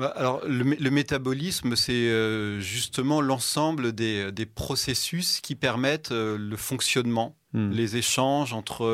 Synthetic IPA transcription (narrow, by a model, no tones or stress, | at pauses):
baʔalɔʁləmeləmet̪abɔlisməsɛøʒyst̪əmɑ̃lɑ̃sɑ̃bləd̪ed̪epχɔsesyskʲipɛʁmɛt̪øləfɔ̃ksjɔnmɑ̃ | lezeʃɑ̃ʒɑ̃t̪χə